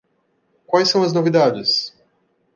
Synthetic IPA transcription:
kwajsːɐ̃w̃ɐznovid̪ad͡ʒɪs

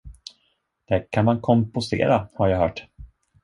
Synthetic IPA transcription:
d̪̥ækʰanmankʰɔmpʊst̪ḛːɾahaɾjaːɦœːʈ

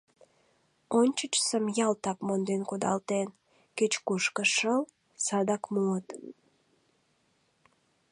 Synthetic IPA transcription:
onʲt͡ɕət͡ɕsəmjɑlt̪ɑkmond̪enkod̪ɑ̰lt̪en | ket͡ɕkuʃkəʃəl | sɑd̪ɑkmuət̪

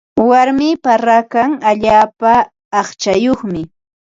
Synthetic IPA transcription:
waɾmɪːpaɾakaŋaʎaːpaː | χt͡ʃajoχmɪ

